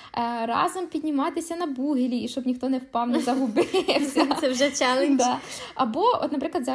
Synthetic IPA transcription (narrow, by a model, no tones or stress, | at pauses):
ɾɑ̰zɐmpʲidʲnʲimɑt̪ɪsʲɐnɐbuɦɪlʲiiʃt͡ʃɔbnʲixt̪ɔnɛwpɑwnɐzɐɦʊbɪɛsʲɐsɛwʒɛt͡ʃɛlˠed̪ɑɐbɔɔ̰t̪nɐpɾɪklˠd̪zɑ